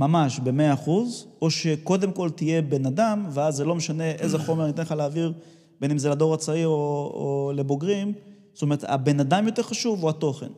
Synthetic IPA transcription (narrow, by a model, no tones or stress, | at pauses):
mamaʃbe̞meaːχuzo̞ʃeko̞d̪e̞mko̞lt̪ije̞be̞nad̪amveazːelo̞meʃane̞ʔezeχo̞menit̪enleχaleaviʁ | benimzelad̪o̞ʁat͡saioo̰le̞bo̞ɡʁim | stome̞ʁet̪ha̰be̞nadamjo̞t̪e̞ʁχaʃuvuhat̪o̞χe̞n